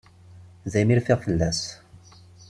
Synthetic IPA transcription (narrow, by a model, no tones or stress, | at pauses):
ðæjmiɾfiʁfəlːæs